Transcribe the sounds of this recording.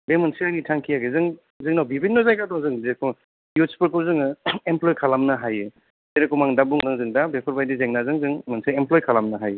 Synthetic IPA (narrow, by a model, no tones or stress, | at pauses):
bemɯnsɯajnitʰaŋkʰijaɡezɯŋ | zɯŋnawbibinːɔzajkʰatɔŋzɯŋbekʰɔ | juspʰɯɾkʰɯwzɯŋɯemplɔjkʰalamnɯɦajɯ | zeɾakʰɔmaŋdabuŋzɯŋzɯŋdabepʰɯɾbajdizeŋnazɯŋzɯŋmɯnsɯemplɔjkʰalamnaɦajɯ